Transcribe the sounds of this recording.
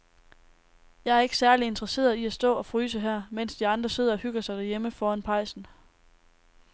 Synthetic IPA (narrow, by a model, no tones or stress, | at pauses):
jɑ̈ɪæɐe̝ɡ̥ə̥sæɐlie̝nd̥ʁɐse̝̰ːɐðˠiæsd̥ɔ̰̽ːɒ̽fʁyːsəɦæɐ̰men̰sd̥iɑ̈nd̥ʁɐse̝ð̰ˠɒ̽hyɡ̥ɐsɑ̈ɪd̥æɐjeməfɒːænpʰɑ̈ɪ̰sn̩